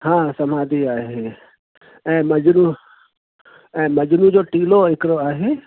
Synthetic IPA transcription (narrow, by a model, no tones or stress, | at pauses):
hãːsəmaːd̪iaːɦe | ɛ̃ːməd͡ʒnũ | ɛ̃ːməd͡ʒnũd͡ʒoːʈiːloɪkɾoaːɦeː